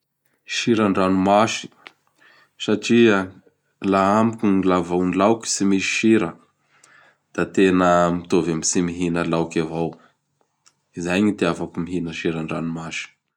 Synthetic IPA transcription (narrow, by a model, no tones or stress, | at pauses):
ʃiɾaɳɖ͡ʐanumaʃi̥ | saʈ͡ʂiə | laamukʲuilavawnilawkʲi̥simisi̥ʃiɾə | d̪̥at̪enəmit̪ovamisimiɦinəlawkavaw | izajɲit̪eafakumiɦinəʃiɾaɳɖ͡ʐanumaʃi̥